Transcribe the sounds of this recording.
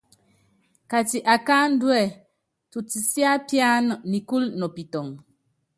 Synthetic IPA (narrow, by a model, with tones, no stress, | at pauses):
ka˨ti˨ʔa˨ka˦n̩˦dwɛ˦˨ | tu˨ti˨sja˦pja˦nɔ˨ni˨ku˦lnɔ˨pi˨tɔ˨ŋ